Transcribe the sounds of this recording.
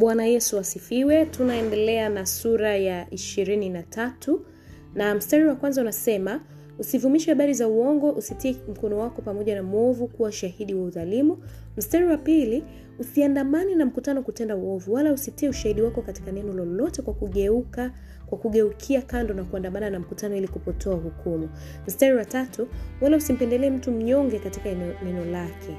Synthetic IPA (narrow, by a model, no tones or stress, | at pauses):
ɓwanajɛsuasifiwɛtunaɛndɛlɛanasuɾajaʔiʃiɾininatʰatʰu | nam̩staɾiwakwanzaunasɛma | usivumiʃɛhaɓaɾizauɔŋɡɔʔusitiɛm̩kɔnɔwakɔpamɔʄanamɔvukuwauʃahiɗiwauðalimu | m̩staɾiwapili | usiandamaninam̩kutanɔkutɛndauɔvuwalausitiɛuʃahiɗiwakɔkati̥kanɛnɔlɔlɔtɛkwakuɠɛuka | kwakuɠɛukʰiakandɔnakuandamananam̩kutanɔilikupɔtʰɔahukʰumu | m̩staɾiwatatʰuwalausim̩pɛndɛlɛːm̩tum̩ɲɔŋɡɛkatikanɛnɔlakʰɛ